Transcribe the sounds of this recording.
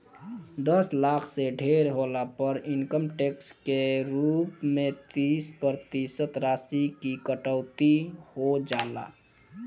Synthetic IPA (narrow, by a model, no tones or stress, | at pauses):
d̪əslaːkʰseɖʱeːɾɦolapəɾɪnkəmʈekskeɾuːpmẽt̪iːspəɾt̪isət̪ɾaːsikikəʈəʊt̪ihod͡ʒaːla̰ː